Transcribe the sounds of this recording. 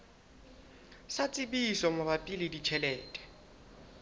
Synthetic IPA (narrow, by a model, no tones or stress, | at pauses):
sat͡sʼɪbisɔmʊbapʼilɪdit͡ʃʰɛlɛːtʼɛ̥